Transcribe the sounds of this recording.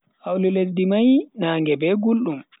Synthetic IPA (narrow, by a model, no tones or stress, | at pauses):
ʔawluletdimajnaːŋɡɛbɛɡulɗum